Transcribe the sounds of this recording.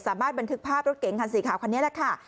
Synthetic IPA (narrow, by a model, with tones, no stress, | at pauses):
saː˩˦maː˥˩t̪̚ba˧nt̪ʰɯ˦˥k̚pʰaː˥˩p̚ɾo˦˥t̪̚ke˨˦ŋkʰa˧ns̬iː˨˦kʰaː˨˦wkʰa˧nːi˦˥ɐla˧˦kʰa˥˩